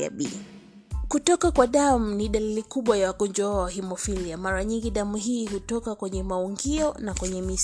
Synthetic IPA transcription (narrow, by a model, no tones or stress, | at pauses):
a̰ɓḭ | kutɔkakwaɗamuniɗalilikuɓwajawakɔnd͡ʒɔaawahimɔfiliamaɾaɲiŋɡiɗamuɦiːhutɔkakwɛɲɛmauŋɡiɔnakwɛɲɛmis